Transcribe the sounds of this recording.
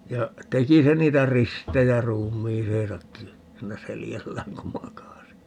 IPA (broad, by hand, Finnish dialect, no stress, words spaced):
jɑ teki se niːtæ ristejæ ruːmˑiːseːsɑkːi siːnæ seljælːæːŋ ku mɑkɑsi